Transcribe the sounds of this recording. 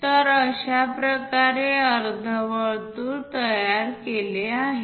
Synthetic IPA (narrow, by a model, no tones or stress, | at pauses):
t̪əɾəɕapɾəkaɾeəɾd̪ʱəʋəɭt̪uːɾt̪əjjaɾkeleaɦe